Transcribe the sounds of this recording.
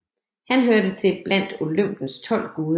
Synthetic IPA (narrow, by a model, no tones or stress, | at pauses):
hænɦøɐd̥ət͡sʰe̝b̥læn̰d̥o̝løm̰b̥n̩st͡sʰɒ̽l̰ɡ̥oːðˠ